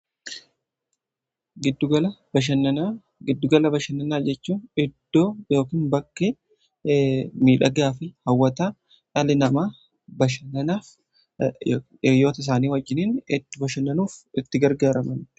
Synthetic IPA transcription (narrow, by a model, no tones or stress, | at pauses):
ɡɪd̪ːʊɡɐlɐbɐʃɐnɐa | ɡɪd̪ːʊɡɐlɐbɐʃɐnːɐnaːd͡ʒɛt͡ʃːuːnɪd̪ːoːjo̞ːkiːnbɐkːeː | miːᶑɐɡaːfɪhɐwːɐt̪aː | ᶑɐlɪnɐmaː | bɐʃɐnɐnaːf | ejːo̞ːt̪ɐɪs̬aːniːwɐd͡ʒːɪniːnɪt̪ːɪbɐʃɐnːɐnuːfɪt̪ːɪɡɐɾɡaːɾɐmɐn